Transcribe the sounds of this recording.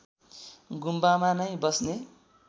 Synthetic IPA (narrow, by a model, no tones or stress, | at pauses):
ɡumbamanʌjbʌsne